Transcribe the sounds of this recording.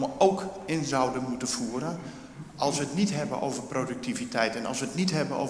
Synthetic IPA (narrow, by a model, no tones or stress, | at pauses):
məowkɪnzawdəmutəfuːəɾən | ʔɑlˠsʋəətnitɦɛbə̰nʔo̰wvərprodyk̚tivitʰɛjtɛnɑ̰lˠsʋətnitɦɛbəno̰